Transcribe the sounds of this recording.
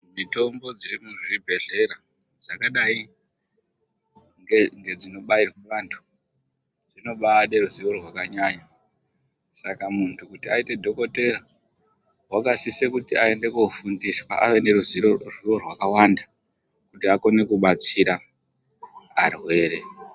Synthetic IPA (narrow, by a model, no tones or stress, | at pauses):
mito̞mbo̞d͡zirimuʐiibʱe̞ɮe̞ɾa | ʐakaɗai | ŋeŋɡe̞d͡zino̞ɓairweʋaːntʰu̥ | d͡zino̞ɓaːɗeruziʋo̞rwakaɲaɲa | sakamuntʰukutiaite̞dʱo̞ko̞te̞ra | wakasisekutiae̞nde̞kufundiswa̰ʔa̰ʋe̞ne̞ɾuziroʐio̞rwakawanda | kutiako̞ne̞kuɓat͡siɾa | arwe̞ːɾe̞